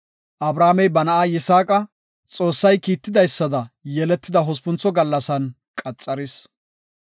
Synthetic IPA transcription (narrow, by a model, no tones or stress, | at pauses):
ʔɐbɾaːmɛjbɐnɐʔaːjɪsaːkʼɐ | t͡sʼo̞ːsːɐjkiːt̪ːɪd̪ɐjsːɐd̪ɐjɛlɛt̪ːɪd̪ɐɦɔspʊnt͡sːɔɡɐlːɐsɐn | kʼɐt͡sʼːɐɾɪs